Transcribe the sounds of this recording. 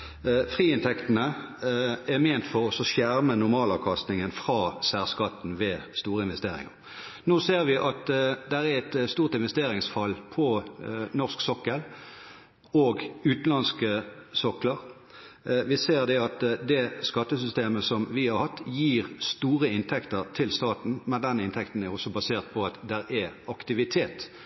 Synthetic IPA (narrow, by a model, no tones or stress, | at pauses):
fʁiːɪnt̪ʰɛkt̪ənə | ɛmeːnt̪fɔʁɔsɔsjæʁmənʊʁmɑːlɑ̰ːʋkʰɑst̪nɪŋənfʁɑːsæːʁskɑt̪n̩ʋeːst̪uːʁəɪnʋɛst̪eːʁɪ̰ŋə̰ʁ | noːseːʁʋɪʔɑt̪d̪ɛʁæɛt̪st̪uːʁt̪ɪnʋɛst̪eːɾɪŋsfɑlpʰɔnɔʁsksɔkːəl | oːɡʉːt̪n̩lɑnskəsɔkləʁ | ʋɪseːʁd̪ɛɑt̪d̪ɛskɑt̪ːəsʏst̪eːməsɔmʋɪhɑɾhɑt̪ːjiːʁst̪uːʁəɪnt̪ʰɛkt̪əʁt̪ʰɪlst̪ɑːt̪n̩mɛnd̪ɛnːɪnt̪ʰɛkt̪n̩æʁɔsɔbɑseːʁt̪̚pʰɔɑt̪d̪ɛɾɛɑkt̪ɪʋɪt̪ʰeːt̪